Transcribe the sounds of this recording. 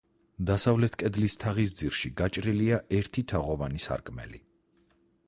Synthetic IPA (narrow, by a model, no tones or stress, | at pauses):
d̪asavlɛt̪ʰkʼɛd̪list̪ʰaʁis̬d̪ziɾʃiɡat͡ʃʼɾiliaʔɛɾt̪ʰit̪ʰaʁɔvanisa̰ɾkʼmɛ̰lḭ